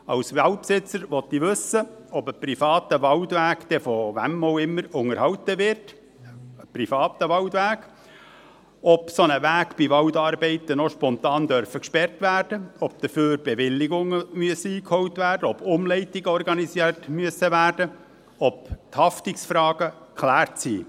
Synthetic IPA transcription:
ɑ̰wsʋælt̚psɪt͡səɾʋɔt̪ːiʋɵsəɔbəprifɑːtəʋɑltʋæːkd̥̪ɛfɔvæ̰moʊɪmːəɾʊŋəɾhɑwtəʋɪrt | əprifɑːt̪əʋɑwtʋæːɡ | ɔpsɔnəʋæːɡb̥iʋɑwdɑːɾbɛɪtənɔʃpɔnt̪ɑːnd̪œɾfəkʃpɛrtʋærd̥əɔp̚d̥̪əføːɾbeʋɪlːɪɡʊŋəmyəsəiːkhɔwtʋæːɾdəɔb̥ʊmlɛɪtɪɡəɔɾɡɑnisiətmyəsəʋæːrd̥ə | ɔp̚t̪hɑftɪksfɾɑːɡə | kʰlæːɾtsḭː

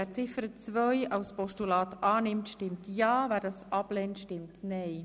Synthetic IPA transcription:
æːɾt͡sɪfəɾət͡sʋœjɑʊspɔʃtulɑːtʰɑːnɪmtʃtɪmtjɑːvæːɾdɑsʔɑb̥lɛntʃtɪmtnɛɪ

